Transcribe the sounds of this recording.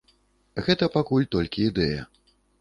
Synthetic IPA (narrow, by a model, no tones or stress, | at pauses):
ɣɛt̪ɐpakulʲt̪ɔlʲkʲiːd̪ɛjɐ̰